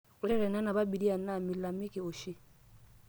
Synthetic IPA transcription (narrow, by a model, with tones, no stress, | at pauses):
u˨ɾɛ˦ɾɛ˨na˦na˨ba˦bi˨di˦a˨na˦˨mi˨la˨mi˦ki˨o˨ʃi˦